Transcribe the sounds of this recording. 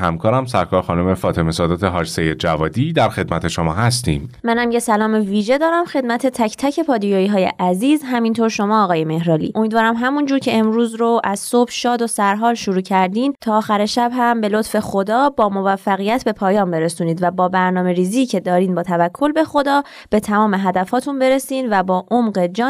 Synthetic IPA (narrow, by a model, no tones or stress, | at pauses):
hæ̰mkʰɒːɾæmsæ̰ɾkʰɒːɾxɒːnumefɒːt̪ʰemesɒːd̪ɒːt̪ʰeɦɒːd͡ʒsejed̪̚d͡ʒævɒːd̪iːd̪æɾxe̞d̪mæt̪ʰe̞ʃo̞mɒ̰ːhæst̪ḭːmmænhæmjesælɒːmeviːʒe̞d̪ɒːɾæmxe̞d̪mæt̪ʰe̞t̪ʰæcʰt̪ʰæcʰe̞pʰɒːd̪ijɒːiːɦɒːjḛʔæziːzɦæmint̪ʰoɾʃo̞mɒːɣɒːje̞me̞hɾɒːlḭːʔo̞miːd̪vɒːɾæmɦæmund͡ʒuːɾcʰe̞emɾuːzɾoʔæz̥sob̥ʃɒːd̪o̞sæɾɦɒːlʃoɾuːcʰæɾd̪iːnt̪ʰɒːxæɾeʃæbɦæmbe̞lot̪fe̞xod̪ɒːbɒːmo̞væfːæɣijæt̪ʰbe̞pʰɒːjɒːmbe̞ɾesuːniːd̪væbɒːbæɾnɒːme̞ɾiːziːcʰe̞d̪ɒːɾiːnbɒːt̪ʰævækʰːo̞lbe̞xo̞d̪ɒː | b̥e̞t̪ʰæmɒːme̞ɦæd̪æfɒːt̪ʰunbe̞ɾe̞siːnd̪væbɒːʔomɢed͡ʒɒː